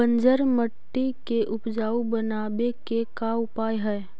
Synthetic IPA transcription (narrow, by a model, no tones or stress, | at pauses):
bə̃nd͡ʒəɾməʈːikeʔʊpd͡ʒaːubənaːbekekaʊpaːjɦɛː